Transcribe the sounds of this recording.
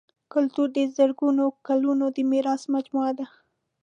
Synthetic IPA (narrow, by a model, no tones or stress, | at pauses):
kʊlt̪uɾd̪əzəɾɡunokalunod̪əmeɾɑsmad͡ʒmuad̪a